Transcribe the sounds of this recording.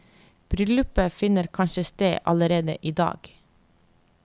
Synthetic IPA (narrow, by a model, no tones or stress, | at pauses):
b̥ɾʏlʉpəfɪnəɾkʰɑnʃəst̪eːʔɑləɾeːd̪ə̰ʔiːd̪ɑ̰ːɡ̥